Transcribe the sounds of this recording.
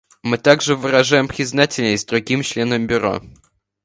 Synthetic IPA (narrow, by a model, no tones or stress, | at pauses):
mɨt̪aɡʐɨvɨɾɐʐajɪmpɾʲɪznatʲɪlʲnəsʲt̪ʲd̪ɾʊɡʲimt͡ɕlʲe̞nəmbʲʊɾo̰